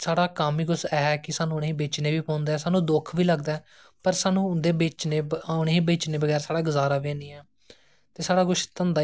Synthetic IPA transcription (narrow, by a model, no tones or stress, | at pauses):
saːɽaːkaːmiːɡʊsɛːɛːkɪsaːnũːʊneĩːbeːt͡ʃneːʋiːpɔ̃ːnd̪aɛːsaːnũːd̪ʊkʰʋiːləɡd̪aɛː | pəɾsaːnũːʊnd̪eːbeːt͡ʃneːʊnĩːbeːt͡ʃneːbəɡɛːɾsaːɽaːɡəzaːɾaːʋẽːnĩːɛː | t̪eːsaːɽaːɡʊʃt̪ənd̪aː